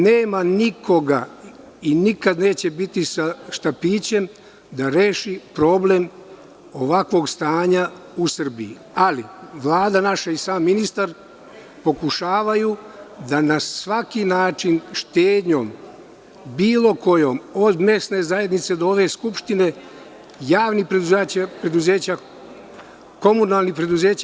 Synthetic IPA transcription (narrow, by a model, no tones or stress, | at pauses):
neːmanikʰo̞ɡa | inikad̪ne̞ːt͡ɕe̞bit̪isaʃt̪apiːt͡ɕe̞m | d̪aɾe̞ːʃipɾo̞ble̞m | o̞ʋakʋo̞ːɡst̪aːɲa | usr̩bii | aliʋlˠaːd̪anaʃaisaːmːinist̪aɾ | po̞kuʃaːʋajud̪anasʋakinaːt͡ʃinʃt̪eːd̪ɲo̞̰m | biːlo̞ko̞joːmo̞d̪me̞sne̞zaje̞d̪nit̪sed̪ooʋe̞skupʃt̪ine̞ | jaːʋnipɾeuzpɾe̞d̪uze̞ːt͡ɕa | ko̞munalˠnipɾe̞d̪uze̞ːt͡ɕ